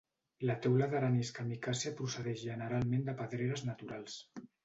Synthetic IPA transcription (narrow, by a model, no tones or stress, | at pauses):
lat̪ɛwlaðəɾaniskamikasiapɾusəðɛʃʒənəɾalˠmẽnd̪əpaðɾeɾəznat̪uɾalˠs